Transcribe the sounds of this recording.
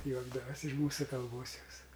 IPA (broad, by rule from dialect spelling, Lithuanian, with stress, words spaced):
ˈjuɔɡdɐʋɐsʲ ɪʃ ˈmuːsʊ kɐlˠˈboːs joːs